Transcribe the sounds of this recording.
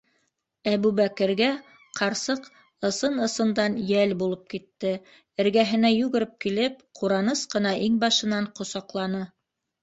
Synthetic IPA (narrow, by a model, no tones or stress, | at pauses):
æβʉβækɘ̆ɾɡæ | qʰɑɾsɤq | ɤ̆sɤnɤ̆sɤ̆nd̪ɑnjælbulˠɤp̚kit̪ːɘ | ɘ̆ɾɡæɦɘ̆næjʉɡɘ̆ɾɘp̚kilɘp̚qʰuɾɑnɤsqɤ̆nɑʔiŋbɑʃɤ̆nɑɴqŏsɑqlˠɑnɤ